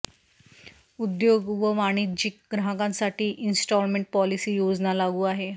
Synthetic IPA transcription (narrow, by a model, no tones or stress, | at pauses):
ud̪joɡʋəʋaɽ̃id͡ʑiːk̚ɡɾaɦɡãnsaʈiːʔinsʈɔlmeɳʈ̚pɔlisiːjod͡znalaɡuːaɦe